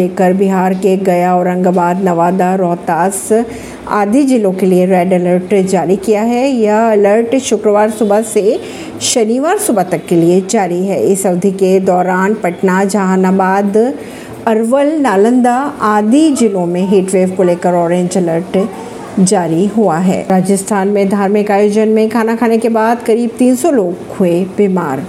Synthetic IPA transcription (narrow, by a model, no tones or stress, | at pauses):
eːkəɾbɪɦaːɾkeɡɐjaɔːɾɐ̃ŋɡbaːd̪nɐʋaːd̪aɾɔːt̪aːs | a̰ːd̪ʱid͡ʒɪlõkelieɾɛːɖɛləɾʈd͡ʒaːɾikijaɦɛjaɐləɾʈʃʊkɾəʋaːɾsʊbase | ʃɐniʋaːɾsʊbʱat̪ɐkːelied͡ʒaːɾiɦɛːɪsɐʋd̪ʱiked̪ɔːɾaːnpɐʈnad͡ʒɐɦanabaːd̪ | ɐɾʋəlnaːlə̃nd̪aaːd̪ʱid͡ʒɪlõmẽɦeːʈʋeːʋkoleːkəɾɔːɾẽːɲd͡ʒɛləɾʈ | d͡ʒaːɾiɦuaɦɛ̰ːɾaːd͡ʒəst̪ʰaːnmẽd̪ʱaːɾmẽkaːjoːd͡ʒənmẽkʰaːnakʰaːnekebaːd̪kɐɾiːb̚t̪iːnsɔloːɡ | huebima̰ːɾ